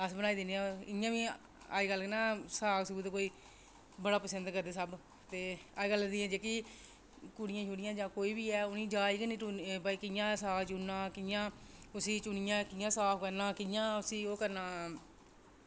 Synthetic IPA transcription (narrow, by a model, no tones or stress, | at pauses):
əsbəñaːiːd̪ɪneːɛ̃ɪjãːʋĩː | a̰ːd͡ʒɡəlːnãːsaːksuuːd̪koːiː | bəɽaːpəsənd̪kəɾd̪eːsəb | t̪eːaɡəlːd̪iːɛ̃ːd͡ʒeːki | kʊɽɪjãːʃuɽɪjãːd͡ʒãːkoːiːbiːɛːʊnĩːd͡ʒaːiːkənĩːʈubaikɪjãːsaːkt͡ʃunːãːkɪãːʊsiːt͡ʃunɪjãːkɪjãːsaːpʰkəɾnãːkɪjãːʊsiːoːkəɾnãː